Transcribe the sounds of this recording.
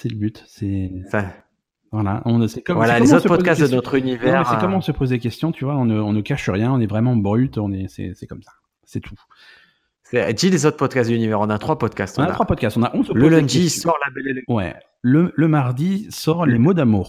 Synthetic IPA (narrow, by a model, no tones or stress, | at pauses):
sɛləbyt̪sɛsa | vwalaɔ̃əsɛkɔmvalalɔemzõt̪səpɔkastd̪ənɔt̪χynivɛɛʁɛkɔmɑ̃səpozlekʲɛst̪jɔ̃t̪ʰyvwaɔ̃nəɔ̃nəkaʃəʁjɛ̃ɔ̃nɛvʁɛmɑ̃bʁyt̪ɔ̃nɛsɛ̰sɛkɔmsḁ | sɛt̪ʰu̥ | sɛd̪ilezot̪χpɔd̪kastd̪ynivɛʁɔ̃nat̪χwapɔd̪kast̪ɔ̃nat̪χwapɔd̪̚kʲast̪ɔ̃naʔɔ̃səlpozlə̃ẽd̪isɔʁlabɛlelɛwɛ̰ | lələmaʁd̪isɔʁlemod̪amuːʁ